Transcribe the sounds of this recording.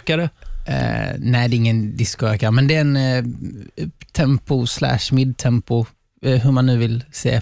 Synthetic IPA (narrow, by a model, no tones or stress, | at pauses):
kaɾə̰ | næɪd̪ɛɪŋːənd̪ɪskʊøːkaɾmɛnd̪ɛɛn | t̪ʰɛmpʊslæ̰ːʂmɪd̪t̪ʰɛmpʊ | ɦɵmanːʉ̟ːvɪlsḛː